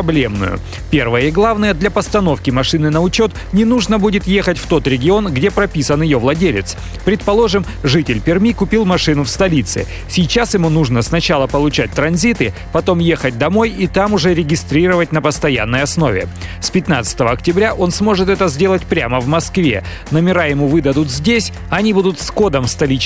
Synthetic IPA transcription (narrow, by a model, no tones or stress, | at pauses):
ɐblʲe̞mnʊ̰jʊ̰ | pʲe̞rvəjəɪɡlˠavnəjəd̪lʲɐpəst̪ɐno̞fkʲɪmɐʂɨnɨnəʊt͡ɕo̞t̪ | nʲɪnuʐnəbudʲɪt̪je̞xətʲft̪o̞t̪ɾʲɪɡʲɪo̞nɡdʲe̞pɾɐpʲisənjɪjo̞vlˠɐdʲelʲɪt̪s | pɾʲɪt̪̚pɐlˠo̞ʐɨm | ʐɨtʲɪlʲpʲɪrmʲikʊpʲilˠmɐʂɨnʊfst̪ɐlʲit̪sɨ̰ | sʲɪjt͡ɕasjɪmunuʐnəsnɐt͡ɕalˠəpəlˠʊt͡ɕæt̚ʲt̪ɾɐnzʲit̪ɨ | pɐt̪o̞mje̞xət̚ʲd̪ɐmo̞jit̪amʊʐɛɾʲɪɡʲɪst̪ɾʲiɾəvətʲnəpəst̪ɐja̰nːəjɐsno̞vʲɪ̰spʲɪt̪na̰t̪sɨ̥t̪əvəɐktʲɪbɾʲaʔo̞nsmo̞ʐɨt̪ɛt̪əzʲdʲe̞lˠətʲpɾʲaməvmɐskvʲe̞̰ | nəmʲɪɾajɪmuvɨd̪əd̪ʊt̪zʲdʲesʲ | ɐnʲibud̪ʊt̪sko̞d̪əmst̪ɐlʲit͡ɕ